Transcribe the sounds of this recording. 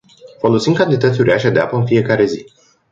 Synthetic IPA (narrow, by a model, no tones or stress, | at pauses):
fo̞lo̞sinkant̪it̪ət̪sʲuɾeaʃad̪eapəɨnfije̞kaɾe̞zi